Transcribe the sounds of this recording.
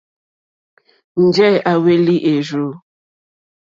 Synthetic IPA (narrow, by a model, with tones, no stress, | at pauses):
n̩˨d͡ʒɛ˦a˨we˦li˦ʔe˨ʒu˦